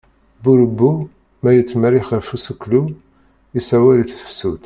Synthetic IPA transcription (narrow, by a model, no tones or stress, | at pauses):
buɾəbːu | mæjət͡sːməɾiχəɾfusəkːlu | isæwæliθθə̥fsut̪